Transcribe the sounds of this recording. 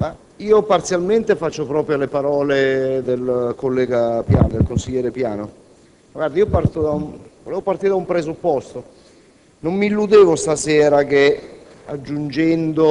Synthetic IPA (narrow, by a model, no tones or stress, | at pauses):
ma | iːopart̪sjalment̪efat͡ʃːopɾɔːpɾjolepaɾɔːled̪elkolːɛːɡapja̰ːnod̪elkonsiʎːɛːɾepjaːno | maɡward̪aiːopart̪od̪auvolɛːvopart̪iːɾed̪aumpɾezupːɔst̪o | nommiilːud̪eːvost̪asɛːɾak̟ead͡ʒːund͡ʒɛnd̪o